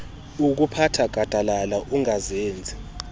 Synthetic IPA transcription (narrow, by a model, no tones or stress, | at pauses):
uk̬upʰatʰaɡ̥ʱad̥ʱalalaʔuŋazeːnd͡zʱi